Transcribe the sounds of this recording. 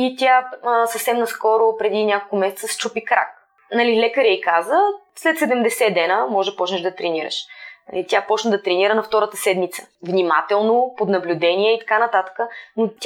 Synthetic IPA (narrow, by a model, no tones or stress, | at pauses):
it̪ʲjasəfsɛmnɐskɔɾʊpɾɛd̪inʲakolˠkʊmɛsɛt̪səst͡ʃupikɾa̰k | nɐlilɛkəɾɛikazəslɛt̪sɛd̪ɛmd̪ɛsɛd̪ɛnəmɔʒpɔt͡ʃnɛʒd̪ɐt̪ɾɛniɾə̰ʃnɐ̰lit̪japɔt͡ʃnəd̪ɐt̪ɾɛniɾənɐft̪ɔɾət̪əsɛd̪mit̪sə̥vnʲimat̪ɛlˠnopod̪nɐblʲʊd̪ɛnʲiɛit̪ɐ̥kanɐt̪at̪ə̥kənot̪ʲ